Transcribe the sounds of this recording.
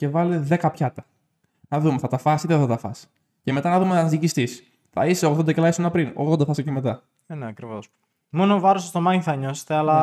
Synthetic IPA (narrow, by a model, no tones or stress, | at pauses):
ce̞vɐleðe̞kɐpçɐt̪ɐ | nɐðumeθɐt̪ɐfɐsit̪eθɐt̪ɐfɐ̰si̥ | ce̞met̪ɐnɐðumeɐzðicist̪is | θɐ̰iseoɣðod̪ɐcelɐisonɐpɾino̰ɣðod̪ɐθɐsicemet̪ɐ | neɐkɾivos | mo̞novɐɾosɐst̪omɐɲiθɐɲose̥t̪eɐlɐ